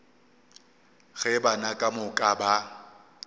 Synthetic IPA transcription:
ɣɛbanakʼamʊkʼaba

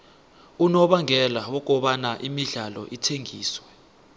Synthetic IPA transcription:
unɔɓaŋɛlawɔk̬ɔɓanaʔimiɮalɔ̰ʔitʰeŋiːswɛ

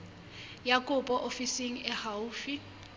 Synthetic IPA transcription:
jakʼʊpʼɔʔofisiŋ̩ɛhauːfi

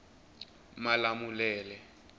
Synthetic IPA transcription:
malamulɛːlɛ

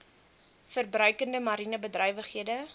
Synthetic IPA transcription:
fərbrœɥkəndəmɐɾinəbədrœɥvəχɦiədə

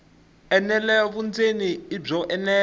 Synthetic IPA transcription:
ɛnɛlɛjɔβund͡zeniib͡ʐɔʔɛnɛː

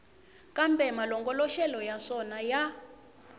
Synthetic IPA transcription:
kʼambɛmalɔŋɡɔlɔʃɛlɔjaʂɔnaja

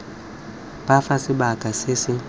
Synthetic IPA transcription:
b̥afasɪɓakʼasɪsɪ

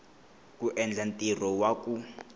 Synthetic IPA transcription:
kʼuʔɛnd͡ɮantʼirɔwakʼu

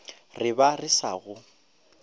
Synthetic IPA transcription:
rɪbarɪsa̰ːɣʊ

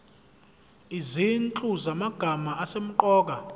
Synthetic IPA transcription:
izint͡ɬʼuzamaɡ̥ʱamaʔasem̩ǃɔːk̬ʼa

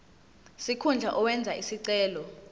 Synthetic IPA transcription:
sikʰund͡ɮʱaʔɔwɛnd͡zʱaisiǀɛːlɔ

